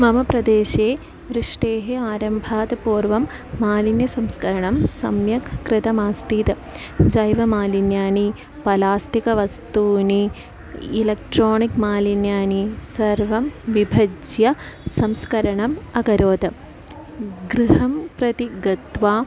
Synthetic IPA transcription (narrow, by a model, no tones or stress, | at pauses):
mɐmɐpɾɐd̪eːʃeː | ʋɾɨʂʈeːɦeaːɾɐmbʱaːt̪ɐpuːɾʋɐmː | aːlinjɐsɐmskɐɾɐɳɐmsɐ̰mjɐkkɾɨt̪ɐmaːst̪iːt̪ɐ | d͡ʒɐjʋɐmaːlinjaːni | pɐlaːsʈ̪ikɐʋɐst̪uːni | ilɐk̚ʈɾoːnikmaːlinjaːnisɐɾʋɐmʋibʱɐd͡ʒjɐsɐmskɐɾɐɳɐmɐkɐɾoːt̪ɐ | ɡɾiɦɐmpɾɐt̪iɡɐt̪ʋaː